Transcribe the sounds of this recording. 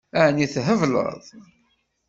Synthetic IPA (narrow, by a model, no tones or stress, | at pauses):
æniθɦəvlə̰ðˤ